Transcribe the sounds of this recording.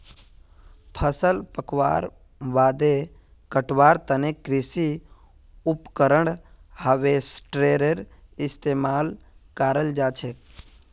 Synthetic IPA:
pʰəsəlpəkʋa̰ːɾ | ʋaːd̪e | kəʈʋaːɾt̪ənekɾɪsi | ʊpkəɾəɳhəʋesʈɾeːɾəɾɪst̪eːmaːlkaːɾəld͡ʒaːt͡ʃʰeː

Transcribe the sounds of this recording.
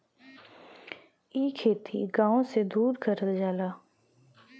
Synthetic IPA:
iːkʰeːt̪ʰḭɡãːõsed̪uːɾkʰəɾəld͡ʒaːlaː

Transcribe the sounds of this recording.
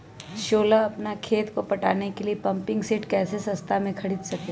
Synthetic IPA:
ʃoːlaɐpnakʰeːt̪kopɐʈa̰ːnekeliepɐ̃mpɪ̃ŋɡseːʈkɛːsesɐ̃st̪ʰamẽkʰɐɽiːd̪sɐke

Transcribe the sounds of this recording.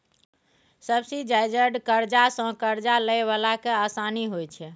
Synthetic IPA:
səbsid͡ʒajd͡ʒəɖkəɾd͡ʒasə̃kəɾd͡ʒaləjβalakeasaniɦojt͡ʃʰɛ

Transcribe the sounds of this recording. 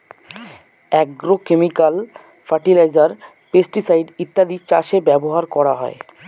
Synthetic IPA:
ɛɡɾokemikal | faɾʈilajd͡ʑaɾ | pesʈisajɖit̪ːad̪it͡ɕaʃebɛboɦaɾkɔɾaɦɔ̰e

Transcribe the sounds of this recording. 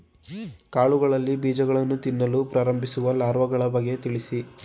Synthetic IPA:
kaːɭuɡɐɭɐlːibiːd͡ʒɐɡɐɭɐnːut̪inːɐlupɾaːɾɐmbʱisuʋɐlaːɾʋɐɡɐɭɐbɐɡːe̞t̪iɭisi

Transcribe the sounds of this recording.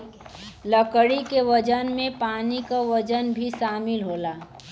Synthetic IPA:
ləkəɽikeʋəd͡ʒənmẽpaːnikaʋəd͡ʒənbʱiʃaːmɪlɦoːlaː

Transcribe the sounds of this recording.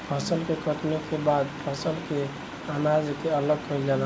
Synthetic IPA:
pʰəsəlkekət̪nekebad̪pʰəsəlke | anad͡ʒkeələɡkʰojd͡ʒalə

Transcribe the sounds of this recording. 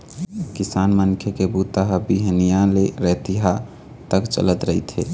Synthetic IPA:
kisaːnmənkʰekebut̪aɦəbiɦnijaleɾət̪iɦa | t̪əkt͡ʃə̰lət̪ɾəɦit̪ʰɦe

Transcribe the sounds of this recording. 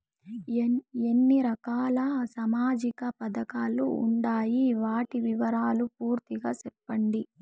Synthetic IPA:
enːiɾɐkaːlɐsɐmaːd͡ʒikɐpɐd̪ɐkaːluṵɳɖaːjiʋaːʈiʋiʋɐɾaːlupuːɾt̪iɡaːsepːɐɳɖi

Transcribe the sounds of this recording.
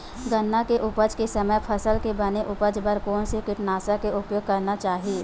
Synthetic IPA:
ɡɐnːakeʔʊpəd͡ʒkesɐməjpʰɐsəlkebɐneʔʊpəd͡ʒbəɾkɔːnsekɪʈnaːsakeʊpjoːɡ̚kɐɾnat͡ʃaːɦieː

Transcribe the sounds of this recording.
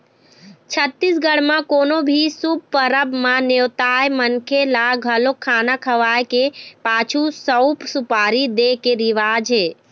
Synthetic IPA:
t͡ʃʰət̪ːisɡəɽmãkoːnobʱisub̚pəɾəbmanewt̪ajmənkʰelaɡʱəlokʰːaːnakʰəʋajkepaːt͡ʃʰusəwpsupaːɾid̪ekeɾiʋaːd͡ʒɦe

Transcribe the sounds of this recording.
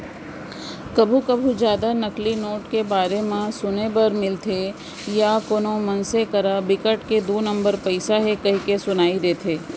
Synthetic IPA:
kɐbʱukɐbʱũd͡ʒjaːd̪anɐklinoːʈkebaːɾemẽsʊnebɐɾmɪlt̪ʰe | jakoːnõmɐnsekɐɾabɪkəʈked̪oːnɐ̃mbəɾpɐɪsaɦɛkɐɦikesʊnaːid̪eːt̪ʰeː

